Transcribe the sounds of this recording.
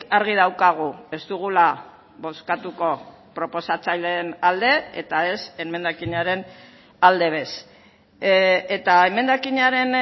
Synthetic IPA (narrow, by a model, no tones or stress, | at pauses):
aɾɣ̞ið̞awkaɣ̞ue̞zt̪uɣula | βo̞skat̪uko̞ | pɾo̞po̞sat͡sajle̞nald̪e̞ḛt̪ae̞se̞me̞nd̪akiɲaɾe̞n | ald̪e̞βe̞s | et̪aeme̞nd̪akiɲaɾe̞n